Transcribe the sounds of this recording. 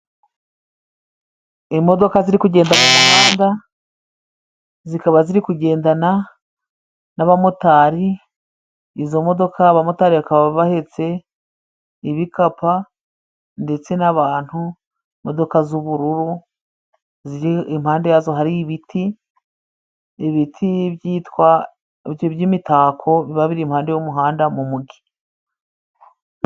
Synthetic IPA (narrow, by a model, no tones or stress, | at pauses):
imo̞do̞kaziɾikuɟe̞ːndakumhaːnda | zikaβaziɾikuɟe̞ːndana | naβamotaːɾi | zo̞mo̞do̞kʰaːβamotaɾiβakaβaβahe̞t͡se̞ | iβikapa | nde̞t͡se̞naβaːn̥hu | mo̞do̞kazuβuɾuɾu | ziimhaːnde̞jazo̞ɦaɾiβitʰi | βitʰiβjiːtwa | jβjimitaːkʰo̞βiβaβiɾimhaːndejomuɦaːndamumuɡi̥